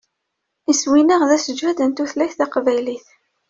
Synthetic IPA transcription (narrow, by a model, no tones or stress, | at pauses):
iswinəʁðæsəd͡ʒvæd̪ənt̪uθlæçθæqvæjliθ